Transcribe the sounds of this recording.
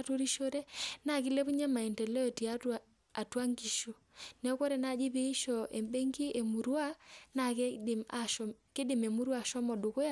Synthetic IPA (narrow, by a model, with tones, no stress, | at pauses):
to˦ɾi˦ʃo˦ɾɛ˦na˨ki˦lɛ˦βu˦ɲa˦ma˨i˨ntɛ˨lɛ˦ɔ˨ti˨a˦ | a˨twa˦ŋɡi˨ʃo˨ | nɛ˦ɔ˦kɔ˦ɾɛ˨na˨d͡ʒi˦βe˦i˦ʃɔ˨ʔḛ˨mbe˦ŋɡi˦ʔe˨mu˨ɾwa˦na˨kma˨ʃke˦dɪ˨me˨mu˦ɾwa˨ʃɔ˦mɔ˨ɗo˨ko˦ja˦